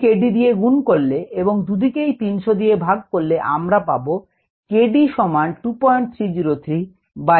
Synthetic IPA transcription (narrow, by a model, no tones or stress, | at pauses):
keɖid̪ijeɡunkoɾleeboŋd̪ud̪ikejt̪inʃod̪ijebʱaɡ̚koɾleʔa̰mɾapabo | keɖiʃɔmanʈupɔeɳʈ̚t̪ʰɾid͡ʑiɾot̪ʰɾi | ba